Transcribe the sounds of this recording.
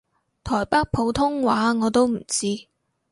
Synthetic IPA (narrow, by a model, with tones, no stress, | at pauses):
t̪ʰɔː˨˩jpa˥k̚pʰo˨˧˥wt̪ʰʊ˥ŋwaː˨˥ŋɔː˨˧t̪o˥wm̩˨˩t͡siː˥